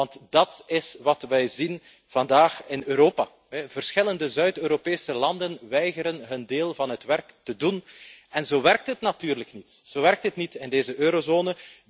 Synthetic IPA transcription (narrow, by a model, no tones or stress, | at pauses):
ɑntdɑtɪsʋɑtʋɛjzin | v̥ɑndaːxɪnøːɾoːpa | ɛvərsxɪləndəzœɥtøːɾopeːsəlɑndənʋɛjɣəɾənɦɵndeːlˠvɑnɦətʋɛrktədunɛnzoːʋɛrk̚tɦətnatyːrləknitz̥oːʋɛrk̚tɦətnitɪndeːzəʔøːɾozoːnə